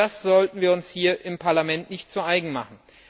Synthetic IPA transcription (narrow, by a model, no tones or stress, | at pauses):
asz̥ɔltn̩viːɐʊnshiːɐʔɪmpʰaɐlamɛntnɪçtz̥uʔaɪɡŋ̩maχn̩